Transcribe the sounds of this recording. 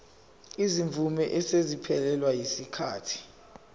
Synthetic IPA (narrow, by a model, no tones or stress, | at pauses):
iziɱvʱumɛʔɛsezipʰɛlɛlwajisikʰaːtʰi̥